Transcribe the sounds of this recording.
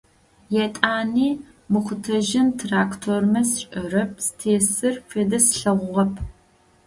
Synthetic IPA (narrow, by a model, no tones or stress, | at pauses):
jɛtʼaːniː | mɨχʷʊtʰɐʒɪntʰraːktʰormɐsɕʼɐrɐp̚ʰstʰeːsɨrfʰeːdɐsɬɐʁʷʊʁɐpʰ